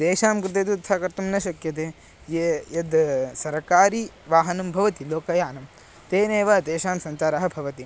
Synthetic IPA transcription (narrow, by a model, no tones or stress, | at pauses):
d̪eːʃaːmkɾɪt̪ed̪ut̪ʰsaːkɐɾt̪ɐmnɐʃɐkjɐt̪̬eː | jejɐd̪sɐɾɐkaːɾi | ʋaːɦɐnɐmbʱɐʋɐt̪iloːkɐjaːnɐm | t̪eːneːʋɐd̪eːʃaːmsɐɲt͡ʃaːɾɐɦɐ̆bʱɐʋɐt̪i